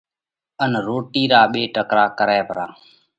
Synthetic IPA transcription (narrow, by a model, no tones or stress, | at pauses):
ənɾoːʈiːɾaːɓeːʈəkɾaːkəɾɛːpəɾaː